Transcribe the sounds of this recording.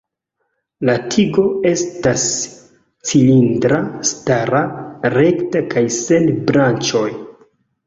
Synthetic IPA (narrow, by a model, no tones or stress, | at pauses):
latʰiɡo̞e̞stas | t͡silindɾastaɾaɾe̞ktakajse̞nbɾant͡ʃo̞j